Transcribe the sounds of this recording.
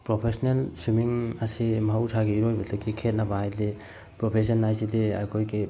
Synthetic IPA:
pɾɔpʰesɔnelsumiŋasimawsʰaɡeiɾɔjbetʰakʰikʰet̚nabahajde | pɾɔpʰes̬ɔnːajsidea̰jkʰɔjke

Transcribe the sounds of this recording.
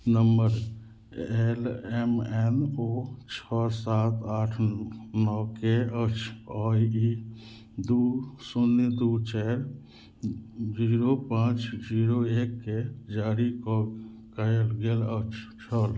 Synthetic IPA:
nəmbəɾ | elɛmenot͡ʃʰɔsat̪aʈʰnɔkeət͡ʃʰɔji | d̪usunːid̪ut͡ʃɛɾ | d͡ʒiɾopãt͡ʃd͡ʒiɾoekːed͡ʒaɾikɔ | kəlɡelət͡ʃʰt͡ʃʰəl

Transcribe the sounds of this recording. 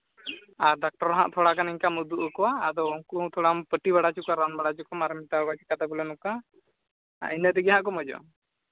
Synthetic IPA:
aɾɖak̚ʈɔɾɦa̰ʔt̪ʰɔɽakaniɲkamud̪uʔəkɔwaːd̪ɔuŋkũt̪ʰɔɽampəʈibaɽat͡ʃukɔwaɾanbaɽat͡ʃukɔmaɾəmit̪aɔɡat͡ʃi̥kad̪abulɛnuka̰ | inət̪ɛɡɛɦãʔkɔmɔd͡ʒɔ̰

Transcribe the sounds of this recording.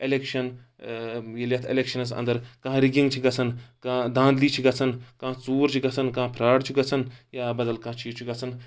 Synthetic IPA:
elekʃɐn | jeljɐt̪ʰeleːkʃɐnɐs̬ɐ̰nd̪əɾkɐ̃ɦɾiɡĩŋɡt͡ʃʰiɡɐt͡sʰɐnkãd̪ãːnd̪liːt͡ʃʰiɡɐt͡sʰɐnkãːt͡suːɾt͡ʃʰiɡɐt͡sʰɐnkãːpʰɾaːɖt͡ʃʰiɡɐt͡sʰɐnjaːbɐd̪ɐlkãːt͡ʃʰit͡ʃʰiɡɐt͡sʰɐn

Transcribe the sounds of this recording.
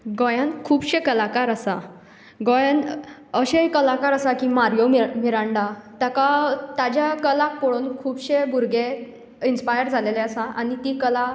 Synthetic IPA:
ɡɔjãnkʰuːbɕẽkəlakaɾəsa | ɡojanəɕekəlakaɾəsakimaɾjomiɾaɳɖat̪jakat̪ad͡ʑjakəlakpoɽonkʰuːbɕebuɾɡe | inspajəɾd͡zʱaleleəsaʔañit̪iːkəla

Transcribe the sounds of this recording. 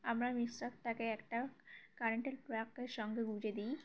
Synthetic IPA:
amlamisəkt̪akeːkʈakaɾeɳʈelpɾakːeʃɔŋɡeɡud͡ʑed̪iː

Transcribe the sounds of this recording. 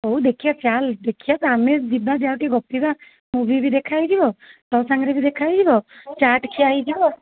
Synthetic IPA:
owd̪ekʰijasʰjald̪ekʰijasamed͡ʒibad͡ʒawʈiɡɔpiba | mubʱibid̪ekʰajd͡ʒibɔt̪ɔwsaŋɡɾibid̪ekʰajd͡ʒibɔt͡ʃaʈkʰiaid͡ʒibɔ

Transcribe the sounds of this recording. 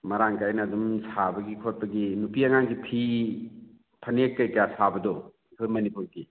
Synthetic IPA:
mɐɾaŋkajnɐːdumsʰabɐɡikʰot̚pɐɡinupiɐŋaŋkipʰi | pʰɐnekkːɐjkasʰabɐdɔ | ikʰuɾmɐnipuɾki

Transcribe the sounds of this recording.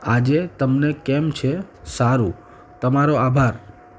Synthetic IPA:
ad͡ʒet̪əmnekɛmt͡ʃʰesaɾũ | t̪əmaɾoabʱaɾ

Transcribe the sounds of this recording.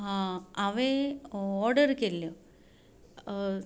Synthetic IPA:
aɐʋeoːɖɐɾikːɐlːoː

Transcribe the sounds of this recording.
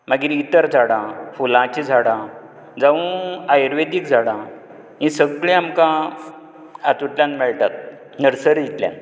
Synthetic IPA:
maɡiɾit̪əɾd͡zʱaɽãfulãt͡ɕid͡zʱaɽã | d͡zaʋũajɾʋed̪ikd͡zʱaɽã | ɦĩsəɡɭẽamkã | at̪uʈljãnmɛɭʈat̪̚ | nəɾsəɾd̪it̪lja̰n

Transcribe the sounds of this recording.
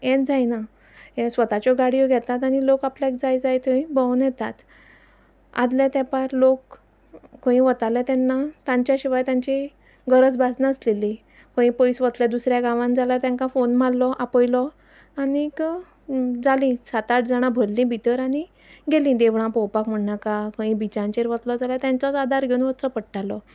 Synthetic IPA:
ɛ̃d͡zajna | ɛ̃sʋət̪at͡ɕɔɡaɽijɔɡʱɛt̪at̪aɽ̃ilokaplakd͡zajd͡zajt̪ʰəĩbɔwnjɛt̪at̪ | a̰d̪lɛt̪ɛpaɾlokː | ə̃ĩʋət̪alɛt̪ɛnːat̪ãɲt͡ɕjaɕiʋajt̪jãɲt͡ɕi | ɡəɾət͡sbasnaəsleli | kə̃ĩpəjsʋət̪lɛd̪usɾjaɡãʋãnd͡zalaɾt̪ãŋkãfonmalːɔʔapəjlɔ | añik | d͡zalĩsat̪aʈd͡zaɽ̃ãbʱəllĩbʱit̪əɾaɽ̃i | ɡelĩd̪eʋɭãpɔwpakm̤əɳnakakə̃ĩbit͡ɕãɲt͡ɕeɾʋət̪lɔd͡zalat̪jãɲt͡sɔt͡sad̪ʱaɾɡʱeũʋət̪t͡sɔpəɽʈalɔ

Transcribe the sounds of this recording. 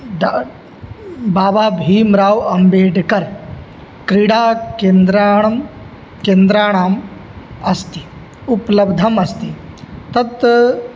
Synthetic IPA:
d̪ | baːbaːbʱiːmɾaːwɐmbeːɖkɐɾ | kɾiɽaːkend̪ɾam | kẽːnd̪ɾaːɳaːm | ɐst̪i̥ | uplɐbd̪ʱɐmɐst̪it̪ɐt̪

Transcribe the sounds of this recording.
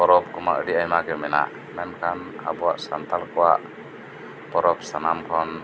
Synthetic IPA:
pɔɾɔp̚kɔma̰ʔəɾiajmaɡɛmɛna̰ʔ | mɛnkʰana̰bɔa̰ʔsant̪alkɔwa̰ʔ | pɔɾɔp̚sanamkʰɔn

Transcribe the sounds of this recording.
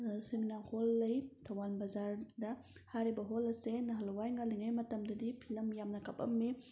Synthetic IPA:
seminaholːɐjtʰɐwanbɐzaɾdɐ | haɾibɐɦolɐsenɐɦɐlwajŋaliŋɐjmɐtɐmdɐdipʰilɐmjamnɐkapɐ̰mːi

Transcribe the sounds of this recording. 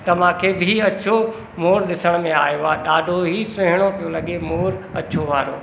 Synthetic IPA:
t̪ɐʋ̤ãkʰeːbʱɪɐt͡ɕʰo | moːɾɗɪsəɽ̃mẽaːjoaɗaːɖʱoɦisɐɦɪɽ̃opijolɐɠemoːɾɐ̰t͡ɕʰoʋaːɾoː

